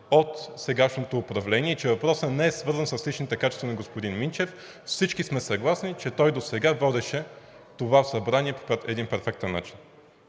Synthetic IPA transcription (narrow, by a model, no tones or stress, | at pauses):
ot̪sɛɡaʃnot̪oːpɾɐvlɛniɛt͡ʃɛvɐpɾɔsənɛɛsvɤɾzənsəslit͡ʃnit̪ɛkat͡ʃɛst̪vnɐɡospod̪inmint͡ʃɛf | fsit͡ʃkismɛsɐɡlˠasnit͡ʃɛt̪ɔjd̪osɛɡavɔd̪ɛʃɛ | t̪ovafsɐbɾaniɛppɛt̪ɛd̪inpɛɾfɛk̚t̪ɛnːa̰t͡ʃi̥n